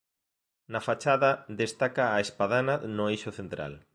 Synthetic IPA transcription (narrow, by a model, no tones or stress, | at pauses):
nɐfat͡ʃaðɐðest̪akaːespaðananʊejʃʊθent̪ɾa̰l